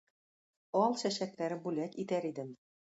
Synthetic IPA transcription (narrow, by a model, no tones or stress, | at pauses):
ɑlˠʃæʃæk̚læɾɘbulʲækit̪æɾid̪ɘ̆m